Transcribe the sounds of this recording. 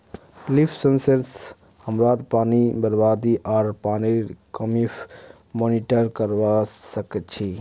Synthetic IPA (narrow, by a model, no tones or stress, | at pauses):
lipʰsənsəɾs | həmɾaːɾpaːnibəɾbaːd̪iʔaːɾpaːnikəmifʰ | moːniʈəɾkəɾʋasəkət̪̚t͡ʃʰi